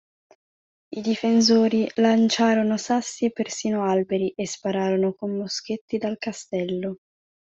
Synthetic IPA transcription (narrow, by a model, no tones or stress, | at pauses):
id̪ifens̬oːɾilant͡ʃaːɾonosasːiepersiːnoalbeɾiʔespaɾaːɾonokomːosk̟et̪ːid̪alkast̪ɛlːo